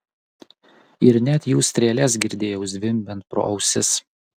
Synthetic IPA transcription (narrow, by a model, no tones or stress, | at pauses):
ɪɾnʲɛt̪ʲjuːsʲt̪ʲɾʲɛːlʲɛs̬ɡʲɪɾʲd̪ʲeːjɛʊzd̪ʲʋʲɪmbʲɛnt̪̚pɾo̰ːʔɒʊsʲɪs